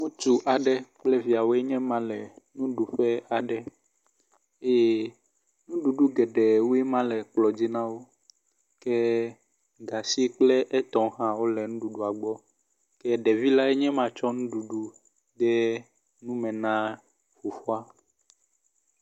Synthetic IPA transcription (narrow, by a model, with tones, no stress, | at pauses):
ŋũ˦t̪u˨ʔa˨ɖɛ˦k͡plɛ˦vi˨a˨wo˦ɛ˦ɲɛ̃˦mã˦lɛ˨nũ˦ɖu˨ɸɛ˦a˨ɖɛ˨ | e˦je˦ | nũ˦ɖu˨ɖu˦ɡɛ˨ɖɛ˨wu˦e˦mã˦lɛ˨k͡plɔ˨d͡ʑi˦nã˦wo˦ | kɛ˦ | ɡa˨si˦k͡plɛ˦ʔɛ˦t̪ɔ̃˨ɦã˦wo˦lɛ˨nũ˦ɖu˨ɖu˨a˨ɡ͡bɔ˦ | kɛ˦ɖɛ˨vi˦la˦ɛ˦ɲɛ̃˦mã˨t͡ʃɔ˦nũ˦ɖu˨ɖu˦ | d̪ɛ˦ | nũ˦mɛ̃˨nã˦ | fo˨fɔ˦a˦